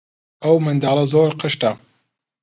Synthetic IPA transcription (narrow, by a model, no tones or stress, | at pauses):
ʔɐwmɨnd̪ɑːlˠɐzoːɾqəʃtɐ